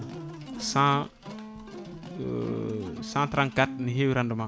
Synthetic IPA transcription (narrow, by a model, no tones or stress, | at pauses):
sã | sãt̪ɾãnkat̪niɦewiɾandəmã